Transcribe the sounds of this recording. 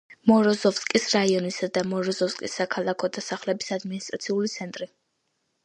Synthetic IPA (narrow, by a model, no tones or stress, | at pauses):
mɔɾɔzɔfskʼisɾaiɔnisad̪amɔɾɔzɔfskʼisːakʰalˠakʰɔd̪asaχlɛbisad̪minist̪ʼɾat̪sʰiulit̪sʰɛnt̪ʼɾi